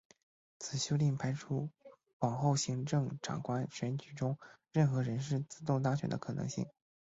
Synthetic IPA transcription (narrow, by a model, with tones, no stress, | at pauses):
t͡sʰɹ̩˨˩ɕjo˥ʊli˥˩ŋpʰa˥ɪʈ͡ʂʰu˥ | pɑ˨˩ŋxo˥˩ʊɕi˧˥ŋʈ͡ʂɤ˥˩ŋʈ͡ʂʰɑ̰˨˩ŋkʰwa˥nɕɥɛ˧˥nt͡ɕy˨˩ʈ͡ʂʊ˥ŋ | ɻə˥˩nxɤ˧˥ɻə˧˥nʂ̬ɻ̩˥˩t͡sɹ̩˥t̪ʊ˥˧ŋt̪ɑ˥ŋɕɥɛ˨˩nd̪ə˦kʰɤ˨˩nɤ̰˧˥ŋɕi˥˩ŋ